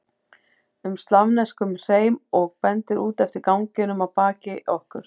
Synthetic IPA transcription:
ʏmst̪lavnɛskʏmr̥eːjmɔɣpɛnt̪ɪɾuːt̪ɛft̪ɪɾkawŋcɪnʏmawpaːcɪʔɔhkʏɾ̥

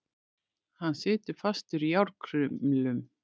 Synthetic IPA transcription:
hanːsɪːt̪ɪɾ̥fast̪ʏɾjawɾkʰɾʏmlʏm

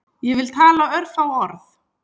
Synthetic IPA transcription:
jɛvɪlt̪ʰaːlaœɾfawɔɾθ

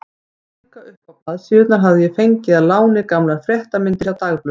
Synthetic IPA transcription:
kaʏhpapaðsjʏːʏt̪naɾɦavðɪjɛfejɲcɪðaðlaːwnɪkamlaɾfɾjɛht̪amɪnt̪ɪsawt̪aɣplʏ

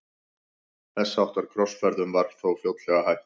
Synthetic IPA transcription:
θɛsːawht̪aɾ̥kʰɾɔsfɛɾðʏmvaɾθowfjowt̪lɛɣaɦajht̪

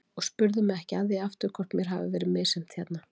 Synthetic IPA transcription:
ɔɣspʏɾðʏmɛɛhcɪaðɪaft̪ʏɾ̥kʰvɔr̥t̪mjɛɾ̥ɦavɪ̰vɛːɾɪmeːjsɛm̥t̪çɛt̪na

